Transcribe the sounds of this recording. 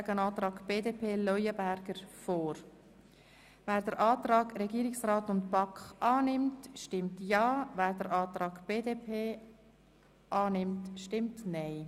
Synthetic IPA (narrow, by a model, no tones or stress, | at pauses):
aɡənɑːt̪ɾɑːɡb̥eːdepʰeːlɔjəbæɾɡ̥əɾfoːɾ | væːɾdəɾʔɑːtɾɑːɡɾɛɡiːɾɪksrɑːtʊntpɑkχɑːnɪmtʃtɪmtjɑːvæːɾdəɾɑːtɾɑːɡb̥eːdepʰeː | ʔɑːnɪmtʃtɪmtnaɪ